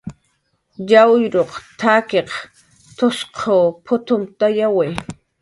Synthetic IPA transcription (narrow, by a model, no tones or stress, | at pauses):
jawjɾoqt̪ʰaːkeq | t̪osqʰoːpʰʊt̪ʊmt̪ajawe